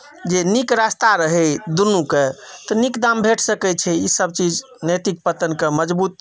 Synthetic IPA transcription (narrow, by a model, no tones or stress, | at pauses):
d͡ʒenikɾast̪aɾəɦɛd̪unːuket̪ɔnikd̪ambʱeʈʰsəkɛt͡ʃʰɛisəb̚t͡ʃid͡ʒ | nəjt̪ik̚pət̪ənkeməd͡ʒbut̪